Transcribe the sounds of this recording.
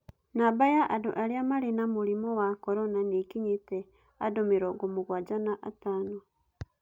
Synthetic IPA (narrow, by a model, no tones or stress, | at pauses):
nabajaʔaduʔaɾiamaɾinamuɾimowakoɾonanekiɲite | adomiɾoɡumuɡwad͡ʒanaʔataːno